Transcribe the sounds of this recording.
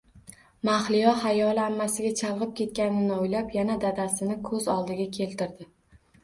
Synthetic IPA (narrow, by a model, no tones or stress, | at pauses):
maχlɪjɒhajɒlˠamːasɪɡʲat͡ʃʰalˠʁɨp̚kʲʰe̞t̪̚kʲanɪnɪojlapjanad̪ad̪asɪnɪkʰɵzɒlˠd̪ɪɡʲakʲʰe̞lt̪ɪɾd̪ɪ